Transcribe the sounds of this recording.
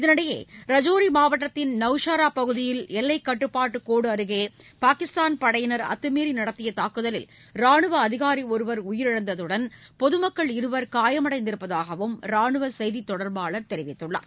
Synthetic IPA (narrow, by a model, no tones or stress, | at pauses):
ɪðɐnɐɽɐjḛːɾɐd͡ʒoːɾimaːʋɐʈːɐt̪ːɪnnɐʋʂaːɾaːpɐɣɯðɪjɪlɛlːɐɪkːɐʈːɯpːaːʈːɯkoːɽɯɐɾɯɣeːpaːkɪst̪aːnpɐɽɐjɪnɐɾɐ̰t̪ːɯmiːɾinɐɽɐt̪ːɪjɐt̪aːkɯðɐlɪ̰lɾaːɳɯʋɐːðɪɣaːɾiɔɾɯʋɐɾʊjɪɾɪɻɐnd̪ɐðɯɽɐn | pɔðɯmɐkːɐɭɪɾɯʋɐɾkaːjɐmɐɽɐɪnd̪ɪɾɯpːɐðaːɣɐʋɯmɾaːɳɯʋɐsɛjðit̪ːɔɽɐɾbaːɭɐɾt̪ɛɾɪʋɪt̪ːɯɭːɐ̰ː